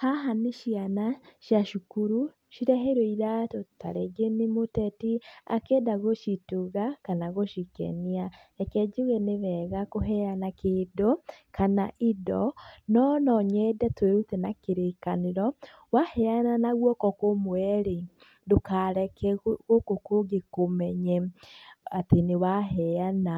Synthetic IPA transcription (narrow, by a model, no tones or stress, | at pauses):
haɦaniʃianaʃjaʃukuɾu | ʃiɾɛɦeɾoiɾatota̰ɾeɡenimotɛtia̰kedaɣoʃituɣakanaɣoʃikɛ̰nia | ɛkɛd͡ʒuɣeneβɛɣakoɦɛanakedokanaʔidɔnɔnɔɲɛdɛtweɾutɛnakeɾekaneɾɔ | wahɛananaɣwɔkɔkomwɛɾe | dokaɾɛkɛɣokokoɡekomɛɲɛ | atenewaɦɛana